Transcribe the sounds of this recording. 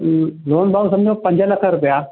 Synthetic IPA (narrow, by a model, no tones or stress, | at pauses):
loːnbaːʋsɐmd͡ʑʱopə̃ɲd͡ʑʱəlɐkʰaɾʊpja